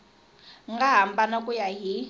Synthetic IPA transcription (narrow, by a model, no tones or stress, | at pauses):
ŋɡaɦambanakʼujaɦi